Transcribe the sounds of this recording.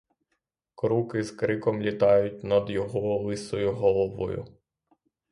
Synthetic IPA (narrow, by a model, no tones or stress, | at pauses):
kɾukɪzkɾɪkɔmlʲit̪ɑjʊtʲnɐd̪jɔɦɔlˠɪsɔjʊɦɔlˠɔʋɔ̰jʊ̰